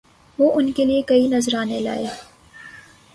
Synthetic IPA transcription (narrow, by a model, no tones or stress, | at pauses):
ʋoʔʊnkeliekɐinɐzɾɑːnela̰ːeː